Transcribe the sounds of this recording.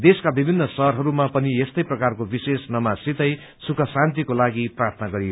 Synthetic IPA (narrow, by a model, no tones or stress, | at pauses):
d̪eskabibʱinːʌsʌɦɾɦʌɾumapʌniest̪ʌjprʌkarkobisesnʌmasit̪ʌj | sukʰʌsãnt̪̬ikolaɡiprart̪ʰʌnaɡʌɾijo